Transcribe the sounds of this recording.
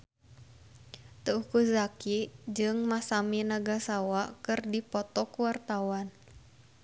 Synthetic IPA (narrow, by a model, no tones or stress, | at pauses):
t̪əukuzakid͡ʒɨŋmasaminaɡasawakɨrdipɔt̪ɔkuwart̪awan